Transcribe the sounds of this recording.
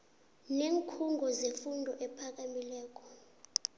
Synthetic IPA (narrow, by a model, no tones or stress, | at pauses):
neŋkʰuŋɡʱɔzefundʱɔʔɛpʰak̬amilɛːk̬ʼɔ̥